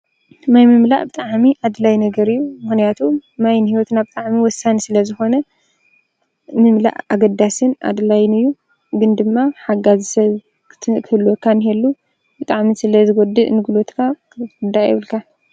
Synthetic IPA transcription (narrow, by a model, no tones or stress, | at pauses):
najmɨmla̰ʔbɨt̪ʼaʕmiʔad̪lajnɐɡɐɾɨjːumɨxnijat̪ʰumajnhiwɔt̪nabɨt̪ʼaʕmiwɔsːanisɨlɐzɨxo̞nɐ | mɨmla̰ʔaɡɐd̪ːasɨna̰d̪ɨlajnɨjːu | ɡɨnd̪ɨmːaħaɡazisɐβ | kʰɨhɨlːuɔkʰːanhelːu | bɨt̪ʼaʕmisɨlɐzɨɡod̪ɨʔnɨɡulo̞t̪kʰa | ɨnd̪ajɪ̰βɨlkʰa